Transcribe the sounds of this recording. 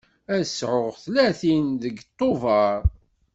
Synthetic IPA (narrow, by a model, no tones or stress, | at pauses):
æsʕʊʁθlæθinðəɡt̪ˤːovɑɾˤ